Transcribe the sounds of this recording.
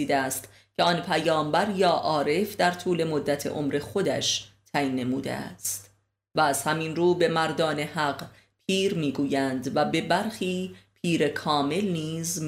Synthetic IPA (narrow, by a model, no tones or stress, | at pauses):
iːd̪eæst̪ | cʰeɒnpʰæjɒːmbæɾjɒːʔɒːɾe̞fd̪æɾt̪ʰuːle̞mo̞d̪ːæt̪ʰe̞̰ʔo̞̰mɾe̞xo̞d̪æ̰ʃt̪ʰæjinːe̞muːd̪ḛæ̰st̪ | væːz̥hæminɾuːbe̞mæɾd̪ɒːne̞hæɢ | pʰiːɾmiːɡuːjænd̪væbe̞bæɾxiːpʰiːɾe̞kʰɒːme̞lniːzm